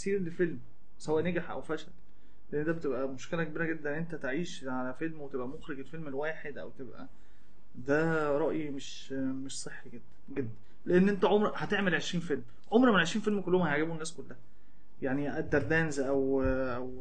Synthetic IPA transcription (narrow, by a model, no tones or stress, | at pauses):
siːɾlefelm | sæwæʔnæɡaħʔæ̰wfæʃæl | leʔenːd̪æːbet̪ebʔæmoʃkelæɡæbiːɾæɡed̪ːænːʔent̪æt̪eʕiːʃ | ʕalæfelmwet̪ebʔæmoxɾeɡelfelmelwæːħed̪ʔæ̰wt̪ebʔæ̰ | d̪æɾˤɑʔjimeʃ | meʃsˤeħːiɡed̪̥ːæ̥nɡed̪ːæn | leʔenːʔent̪æʕomɾhæt̪eʕmelʕeʃɾiːnfelm | ʕomɾmenʕeʃɾiːnfelmkolːohomæhæeʕɡæbunːæːskolːæhæ | jaʕniʔæd̪ːæɾˤd̪æːnzʔæwʔæw